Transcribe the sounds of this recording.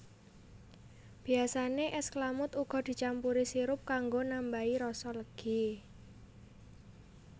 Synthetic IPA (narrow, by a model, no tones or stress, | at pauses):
b̥i̤asaneʔɛsklamʊt̪uɡ̥ɔ̤d̪̥i̤t͡ʃampuɾisiɾʊp̚kaŋɡonambaiɾɔsɔləɡ̥i̤